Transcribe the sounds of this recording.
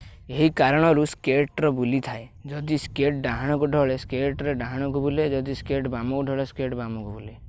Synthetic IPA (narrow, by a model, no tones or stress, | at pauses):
eɦikaɾɔɽ̃ɔɾuskeʈɾɔbulit̪ʰaed͡ʒɔd̪iskeʈɖaɦaɽ̃ɔkuɖʱɔɭeskeʈɾeɖãɦaɽ̃ɔkubuled͡ʒɔd̪iskeʈbamɔkuɖʱɔɭeskeʈbamɔkubule